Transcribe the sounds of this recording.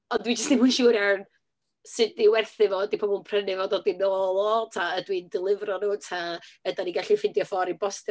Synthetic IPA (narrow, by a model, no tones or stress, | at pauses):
ɔndwid͡ʒəstnemuʃuːɾɛwn | sɪdiwɛrθɪvɔːɛdipʰoːbunpʰrənɪvɔːdodinoːlˠɔtʰaədwindɪlˠɪvrɔnuːtʰaədaniɡaɬifɪndjɔfɔɾibɔstɪ